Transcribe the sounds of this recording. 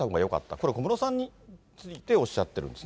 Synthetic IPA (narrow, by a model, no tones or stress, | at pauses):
amoŋɡajo̞ka̰t̪ːako̞ɾe̞komɯ̟nosãɲ̟ːi | t͡sɨit̪e̞o̞ɕːat̪ːe̞ɾɯ̟nd̪esɨ